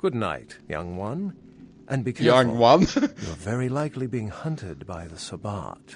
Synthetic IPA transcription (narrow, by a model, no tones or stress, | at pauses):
ɡ̥ʊdⁿna̰ɪtjʌ̰̃ŋwʌ̃n | ʔɨ̃nbikʰɛjʌ̃ŋwʌ̃njə˞vɛɹilaɪklibiɪ̃ŋhʌ̃ntʰɨd̚baɪðɨsəbɑ̰ɹt